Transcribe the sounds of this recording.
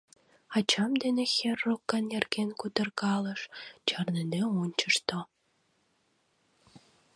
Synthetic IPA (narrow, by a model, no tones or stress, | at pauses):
ɑt͡ɕɑmd̪enexerːokːɑnjerkenkut̪ə̆rɣɑlə̆ʃt͡ɕɑrneneunʲt͡ɕəʃt̪o